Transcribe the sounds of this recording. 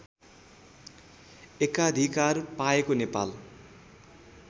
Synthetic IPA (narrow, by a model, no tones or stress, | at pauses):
ekad̪ʱikarpaekonepa̰l